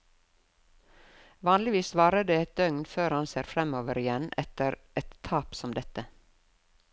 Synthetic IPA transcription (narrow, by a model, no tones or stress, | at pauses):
ʋɑːnlɪʋiːsʋɑːɾəd̪eːɛt̪̚d̪œŋnføːɾhɑnseːɾfɾɛmoːʋəɾɪjɛnɛ̰t̪əɾʔɛt̪ʰːɑːpsɔmd̪ɛt̪ə